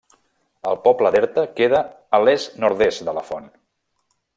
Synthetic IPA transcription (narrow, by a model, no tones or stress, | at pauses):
əlˠpɔpləðɛɾt̪əkeðəː | lesnoɾðesd̪ələfɔn